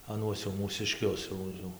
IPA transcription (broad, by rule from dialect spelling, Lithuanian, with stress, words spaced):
ɐˈnuɔs jɛʊ muːsʲɪˈʃʲkʲʊs jɛʊ ˈjɛʊ